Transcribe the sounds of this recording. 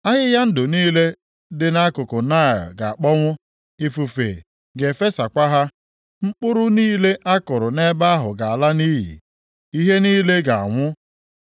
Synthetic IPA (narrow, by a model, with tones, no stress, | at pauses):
a˦ɦɪ˦ja˦n̩˦dʊ˨niː˦le˦ | dɪ˨na˦kʊ˨kʊ˨na˦˨ɛ̰˨ɡa˨a˨k͡pɔ˦ŋʷʊ˦ | i˦fu˨fḛ˨ | ɡe˨fe˦sa˨kʷa˦ɦa˦ | ŋ͡m̩˦k͡pʊ˦ɾʊ˦niː˦le˦ʔa˦kʊ˨ɾʊ˨ne˦ba˦a˦ɦʊ˨ɡa˨a˨la˦niː˦ɦḭ˨ | i˦ɦe˦niː˦le˦ɡa˨a˨ŋʷʊ˦